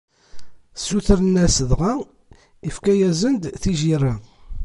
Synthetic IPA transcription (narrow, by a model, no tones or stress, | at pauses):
sːuθəɾənːæsəðʁa | ifkæjæzənd̪θiʒirːa